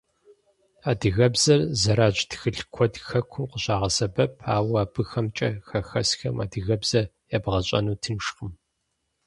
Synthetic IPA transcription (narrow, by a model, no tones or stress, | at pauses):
aːdɨɣɐbzɐrzɐɾaːʒtxɨɬkʷʰɔdxɐkʷʰuqəɕaːʁɐsɐbɐpʰaːwaːbɨxɐmt͡ʃʼɐxɐxɐsxɐma̰ːdɨɣɐbz̥ɐ | jaːbʁɐɕʼɐ̰nuːtʰɨnʃqəm